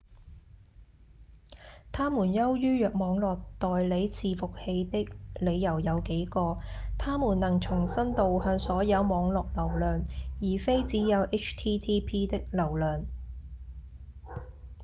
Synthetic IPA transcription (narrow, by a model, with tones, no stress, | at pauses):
t̪ʰaː˥muː˨˩njɐ˥wjyː˥jœː˨k̚mɔː˨˧ŋlɔː˨k̚t̪ɔː˨jle˨˧jt͡sʰiː˨˧fʊ˨k̚he˧jt̪ɪ˥k̚le˨˧jjɐ˨˩wjɐ˨˧wke˨˥jkɔː˧t̪ʰaː˥muː˨˩nːɐ˨˩ŋt͡sʰʊ˨˩ŋsɐ˥nt̪o˨whœː˧ŋsɔː˨˥jɐ˨˧wmɔː˨˧˥ŋlɔː˨k̚lɐ˨˩wlœː˨njiː˨˩fe˥jt͡siː˨˥jɐ˨˧wʔe˥t͡ʃʰt̪ʰiː˥t̪ʰiː˥pʰiː˥t̪ɪ˥k̚lɐ˨˩wlœː˨ŋ